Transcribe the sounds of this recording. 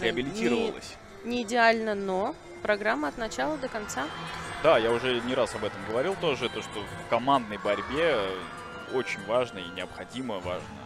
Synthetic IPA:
ɾʲɪɐbʲɪlʲɪtʲiɾəvəlˠə̰sʲ | nʲɪɪdʲɪalʲnəno | pɾɐɡɾamːəɐt̪nɐt͡ɕalˠəd̪əkɐnt̪sad̪ajaʊʐɛnʲɪɾasɐbɛt̪əmɡəvɐɾʲilˠt̪o̞ʐɨt̪oʂt̪ofkɐmand̪nəjbɐɾʲbʲe̞ | ot͡ɕɪnʲvaʐnəinʲɪɐpxɐdʲiməva̰ʐnə̰

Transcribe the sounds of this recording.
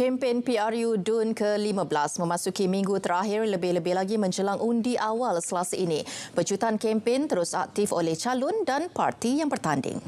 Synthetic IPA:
kɛmpenpiarjudunkəlimãbəlasmə̃mãsukimĩŋɡut̪əɾaɦɪrləbɪhləbɪhlaɡimə̃ɲd͡ʒəlaŋʔundiʔawalsəlasaʔinĩpət͡ʃut̪ankɛmpent̪əɾʊsa̰k̚t̪ifolɛht͡ʃalʊndanpa̰rt̪ijaŋbərt̪andɪ̰ŋ

